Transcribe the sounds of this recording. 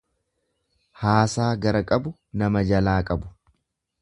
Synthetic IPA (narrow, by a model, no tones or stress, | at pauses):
haːsaːɡɐɾɐkʼɐbʊ | nɐmɐd͡ʒɐlaːkʼɐbʊ̥